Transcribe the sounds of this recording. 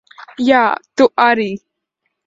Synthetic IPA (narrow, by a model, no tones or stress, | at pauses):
jat̪uʔaɾi